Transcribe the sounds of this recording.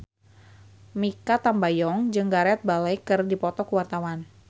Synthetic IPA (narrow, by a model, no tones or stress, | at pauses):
mikat̪ambajɔŋd͡ʒɨŋɡaɾɛt̪̚balajkɨrdipɔt̪ɔkəwart̪awan